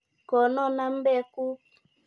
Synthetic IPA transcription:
kɔ˨nɔ˦na˦m̩˦bɛ˦˨ku˦

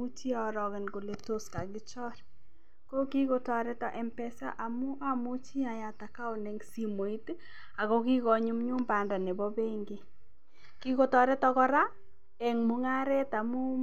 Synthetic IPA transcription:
u˦t͡ʃi˦a˨ɾɔ˨ɣɪ˨nko˨le˨to˨ska˨ɡɪ˦t͡ʃɔ˦ɾ | ko˦ki˦ko˦tɔ˨ɾɛ˦tɔ˦ʔɛ˨mpɛ˦sa̰˦ʔa˨mʊ˦ʔa˦mʊ˦t͡ʃi˦a˨ja˨ta˨ka˦o˨nɛ˨˦ŋsi˨mo˨i˦t | a˨ɣɔ˦ki˦ɣɔ˨ɲu˦mɲu˦mba˨nda˨ne˨bɔ˦be˦ŋɡe˦ | ki˦ko˨tɔ˨ɾɛ˦tɔ˦kɔ˦ɾa˦ | ɛ˨ŋmʊ˨ŋa˦ɾɛ˦ta˨mʊ˦

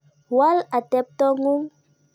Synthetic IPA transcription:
wa˦la˨tɛ˨p̚tɔ˦ŋu˦ŋ

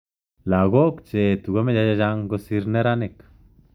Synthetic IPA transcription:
la˨ɡo˦kt͡ʃe˨t̪u˨ɡo˦me˦d͡ʒa˧d͡ʒa˧˦d͡ʒa˧ŋɡo˧si˧ɾne˦ɾa˦ne˨k

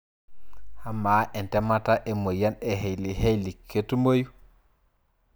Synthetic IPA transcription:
ha˦ma˨˦ʔe˨nte˦ma˦ta˦ʔe˨mo˨ja˦ne˨ɦe˨jli˨he˦jli˨kʰːe˦tu˦mo˦ju˦

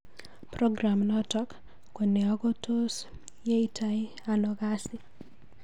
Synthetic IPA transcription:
pɾo˦ɡɾa˨mnɔtɔ˦k | ko˨ne˨ɔ˨ɡɔ˦tʰo˦s | je˦i˦tʰaɪ˦ | anɔka˦sɪ

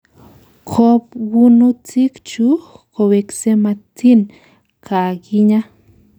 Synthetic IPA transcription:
kʰo˦˧pwunu˦t͡si˦kt͡ʃu˦ko˧we˧kse˧ma˧t͡si˦n | kʰa˨ɡi˧ɲa˦

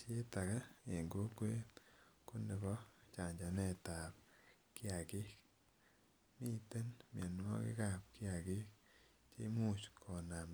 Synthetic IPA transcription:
je˦ta˨ka˦e˨ŋɡo˦kwe˦ko˦ne˨kɔ˦t͡ʃa˨ɲd͡ʒa˨nɛ˦˨ta˨p | kɪ˦a˨ɡɪ˦ | mi˦˨te˦nmja˨n˦ɔ̰˦kɪ̰˦ka˦˨p̚kɪ˦a˨ɡɪ˦ | t͡ʃe˦mu˦t͡ʃkʰɔ˨na˨m

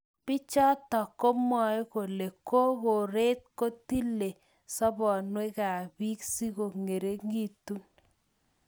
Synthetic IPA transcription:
pi˦t͡ʃɔ˦tɔ˨ko˦mɔ˨jko˨le˨ko˦ko˨ɾe˦t̚ko˦ti˦le˨ | sɔ˦bɔ˨nwe˦ka˨bi˦ksi˦ko˨ŋe˨ɾe˦ŋɡi˨tu˦n

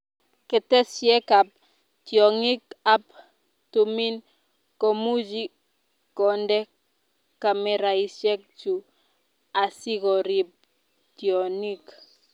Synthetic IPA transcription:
kɛ˨tɛ˦sjɛ˦ka˨p̚ | tjɔ˨ŋi˦ka˦p | tumi˦n | kɔ˨mu˦d͡ʒi˦kː | ɔndɛ˦ | ka˨mɛ˨ɾa˨i˨sɛ˦k̚t͡ʃu˨ | a˨si˦ɡɔ˨ɾi˨p̚ | tjɔ˨ni˦k

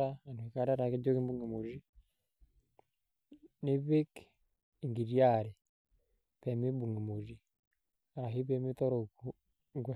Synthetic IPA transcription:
a˦a˨nue˨ka˦ɾa˦ɾa˨ke˦d͡ʒo˦ki˦mbu˦ŋi˨mu˨ʒi˦ | ni˦βi˦k | i˨ŋɡi˨ɾi˦a˦˨ɾe˨ | pe˨mi˦bu˨ŋi˨mu˨ʒi˨ | a˨ɦi˦βe˦mi˦to˦ɾo˨ku˨ | ɡwe˨

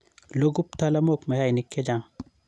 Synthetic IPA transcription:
lo˦ɡu˦p̚t̪a˦la˦mokmɛ˨ha˦jnɪkːɛ˦d͡ʒa˦ŋ

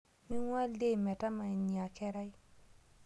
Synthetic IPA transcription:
mi˦ŋwa˦le˦˨mɛ˨ta˦ma˨i˨ɲi˨a˨kɛ˦ɾa˦j

